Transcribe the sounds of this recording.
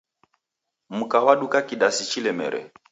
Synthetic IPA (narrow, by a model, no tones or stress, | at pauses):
m̩kawaɗukakiɗasit͡ʃilɛmɛ̰ɾɛ̰